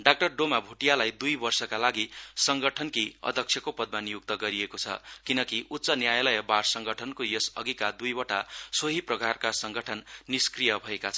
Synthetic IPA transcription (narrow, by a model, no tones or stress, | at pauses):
ɖak̚ʈʌrɖomabʱuʈijalajd̪ujbʌrsʌkalaɡisʌŋɡʌʈʰʌnkiʌ̰d̪ʱʌksʰjʌkopʌd̪̚manjuk̚t̪ʌɡʌɾiekot͡sʰʌ̰kinʌkiʔutːsʌnjajlʌjʌbarsʌŋɡʌʈʰʌnkojesʌ̰ɡikad̪ujbʌʈasoɦiprʌkarkasʌŋɡʌʈʰʌnːiskrijʌbʱʌekat͡sʰʌ